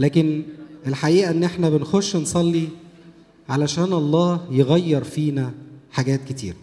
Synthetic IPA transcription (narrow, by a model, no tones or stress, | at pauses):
læːkenʔelħaʔiːʔæʔenːʔeħnæbenxoʃːnsˤɑlːi | ʕalæʃæːnʔɑlˤːɑːhjeɣæjːɑɾˤfiːnæħaɡæːt̪̚ket̪ḭːɾæ